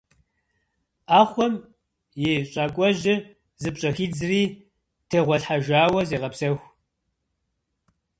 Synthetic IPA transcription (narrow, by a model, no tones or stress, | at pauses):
aːχʷɔm | jeɕʼaːkʷʼɔʒɪ | zɨpɕʼɐxiːd͡zɨriː | tʰeːʁʷɔɬħaʒʷaːwɐzeːʁɐpsɐxʷ